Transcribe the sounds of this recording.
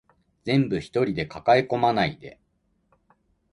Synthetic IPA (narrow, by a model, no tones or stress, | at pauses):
d͡zẽ̞mbɯ̟çi̥t̪o̞ɾʲid̪e̞kakaeko̞manaid̪e̞̰